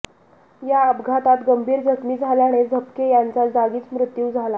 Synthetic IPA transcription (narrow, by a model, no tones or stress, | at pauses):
jaəbɡʱat̪at̪ɡəmbʱiːɾd͡zʱəkmiːd͡zʱaljaɽ̃ed͡zʱəpkejant͡sad͡zaɡiːt͡smɾut̪juːd͡zʱala